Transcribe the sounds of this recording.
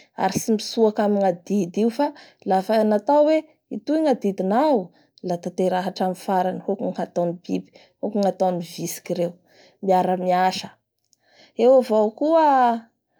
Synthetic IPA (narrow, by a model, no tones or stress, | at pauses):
a̰ɾisimisuakamiŋad̪id̪iufa | lafanat̪awwe | it̪uŋad̪id̪inawu | lat̪at̪eɾaɦaʈ͡ʂamifaɾanəhokuŋhat̪anib̥ibi̥ | hokuŋat̪anivisi̥kiɾew | miaɾəmiaʃə̥ | ewavokuə